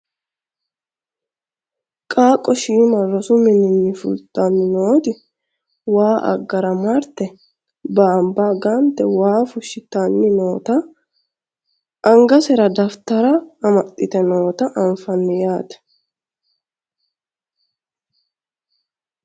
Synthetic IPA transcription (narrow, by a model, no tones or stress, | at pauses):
kʼaːkʼːɔʃiːmɐrːɔsʊmɪnɪnːɪfʊ̰lt̪ʼɐnːɪno̞ːt̪ɪ | waːʔɐ̰ɡːɐɾɐmɐɾt̪ɛ | baːmbaːɡant̪ɛwaːfʊʃɪt̪ːanːɪno̞ːt̪ɐ | ʔɐŋɡɐsɛɾɐd̪ɐft̪ɐɾɐːmɐt̪ʼːɪt̪ɛno̞ːt̪ɐʔɐɱfɐnːɪjaːt̪ɛ̥